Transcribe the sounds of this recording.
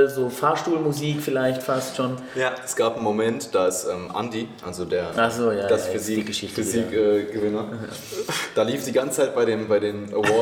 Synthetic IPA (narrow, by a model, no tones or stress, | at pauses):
lzoːfaːɐʃtuːlmuziːkfɪlaɪçtfastʃoːn | jaɛsɡ̥aːpn̩momɛntd̥aɪsʔɛːmʔa̰ndiʔa̰lzodeːɐaz̥oːjaːd̥asziɡəʃɪçtfziɛːɡ̥əvɪnɐ | d̥aːliːfd̥iːɡant͡sət͡saɪt̚b̥aɪɾeːmbaɪdeːmʔəɔɐ